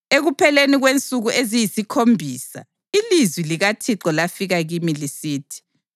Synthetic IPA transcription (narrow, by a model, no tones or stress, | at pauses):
eɣupʰɛleniɣwent͡sʼuɣuʔezijisikʰombʱiːsa̰ | ilizwiliɣatʰiǁɔlafiɣaɣimilisiːtʰi̥